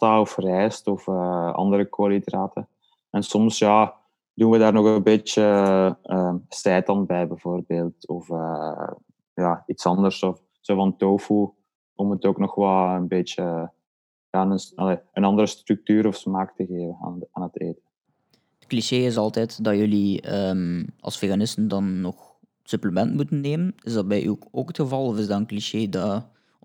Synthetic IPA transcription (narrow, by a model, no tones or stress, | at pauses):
aɔfrɛjstɔfəɑ̰ndəɾəkolidraːtʰə | ɛnsɔmsja | duːnʋədaːrnɔɣənbeːt͡ʃəəːsɛːtɑnbɛjbɛvoːrbeːlˠtɔfə | jaːitsɑndərsɔf | soːvɑntoːfu | ɔmətoːknɔxʋɛlˠənbeːt͡ʃə | jaːnəsɑleənɑndəɾəstrʏk̚tyːɾɔfsmaːktəɣeːvəna̰aːnəteːtən | ətkliʃeːɪs̬ɑlˠtɛtdɑjɵliəmʔɑ̰lˠsfeːɣanɪstəndɑnːɔx | sɵpləmɛntmutənːeːmənɪzdɑt̚bɛjʔyoːkətxəvɑlˠɔfɪzdɑtənkliʃeːdɑ